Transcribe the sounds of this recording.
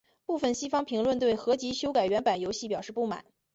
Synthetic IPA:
pu˥˩fə˥˩nɕi˥fɑ˥ŋpʰi˧˥ŋlwə˥˧nt̪we˥˩ɪxɤ˧˥t͡ɕi˧˥ɕjo˥ʊka˨˩ɪɥɛ˧˥npa˨˩njo˧˥ʊɕi˥˩pjɑ˨˩ʊʂɻ̩˥˧pu˥˩ma̰˨˩˦n

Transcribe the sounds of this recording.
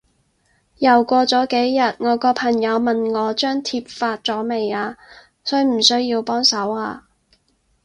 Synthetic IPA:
jɐ˨˩wkʷɔː˧t͡sɔː˨˥ke˨˥jːɐ˨t̚ŋɔː˨˧kɔː˧pʰɐ˨˩ŋjɐ˨˧wmɐ˨nŋɔː˨˧t͡ʃœː˥ŋt̪ʰiː˧p̚faː˧t̚t͡sɔː˨˥me˨jaː˧ | sɵ˥ɥm̩˨˩sɵ˥ɥjiː˧wpɔː˥ŋsɐ˨˥waː˧

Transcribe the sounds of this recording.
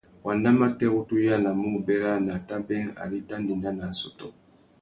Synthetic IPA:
wa˨nda˦ma˦tɛ˦o˦tu˦ja˦la˨mu˦˨bɛ˦ɾa˦na˨ta˦bɛ̃˦a̰˨li˦tã˦ndi˨na˦na˨sɔ˨tɔ˨

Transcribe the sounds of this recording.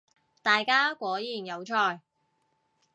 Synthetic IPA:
t̪aː˨jkaː˥kʷɔː˨˥jiː˨˩njɐ˨˧wt͡ʃʰɔː˧˩j

